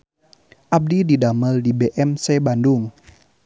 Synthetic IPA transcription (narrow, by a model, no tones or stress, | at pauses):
ʔab̚dididaməldibeʔɛmsebandʊŋ